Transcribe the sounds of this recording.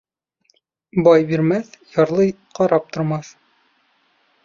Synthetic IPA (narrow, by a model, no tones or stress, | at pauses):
bɒjbiɾmæθjɑɾlˠɤj | qɑɾɑp̚t̪ŏɾmɑθ